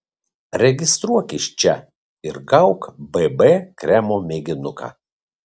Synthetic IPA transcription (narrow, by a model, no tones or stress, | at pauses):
ɾʲɛɡʲɪst̪ɾuɔkʲɪʃʲt͡ʃʲɛ | ɪɾɡɐʊkbɛbɛkɾʲæmoːmʲeːɡʲɪnʊka̰ː